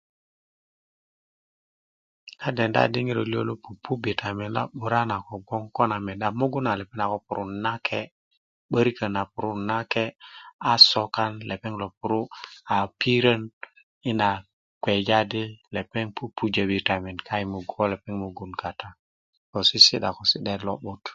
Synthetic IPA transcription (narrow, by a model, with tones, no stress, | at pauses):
ka˦de˨nda̰˦˨di˦ŋi˦ɾo˨li˦o̰˦lo˦pu˨pu˦bi˨tʰa˨me˨nla̰˦ɓu˨ɾa˦na˨ko˨ɡo˦ŋko˦na˨me˨da˨mo˦ɡu˦na˨le˨pe˦na˨ko˨˦pu˨ɾu˦na˦kʰe˦ | ɓə˦ɾi˦kə˨na˨pu˨ɾu˦na˦ke˦a˨so˦ka˦nle˨pe˦ŋlo˨pu˦ɾu˦a˨pi˦ɾə˦n | i˦na˨ | kwe˨d͡ʒa˦di˦le˨pe˦ŋpu˦pʰu˦d͡ʒə˨bi˨ta˨me˨nkʰa˦i˨mu˨ɡo˦le˨pe˦ŋmo˨ɡu˨nka˨ta˦ | ko˨si˦si˦ɗa˨ko˨si˦ɗe˦dlo˦ɓu˦t